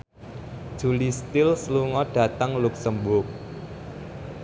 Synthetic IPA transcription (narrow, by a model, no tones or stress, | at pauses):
d̥ʒ̥ṳlist̪ɪlsluŋɔɖ̥a̤t̪əŋluksəmbʊrk̚